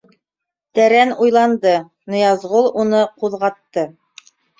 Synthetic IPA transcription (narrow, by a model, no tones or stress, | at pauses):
t̪æɾænujlˠɑnd̪ɤ | nŏjɑzʁulˠunɤquðʁɑt̪ːɤ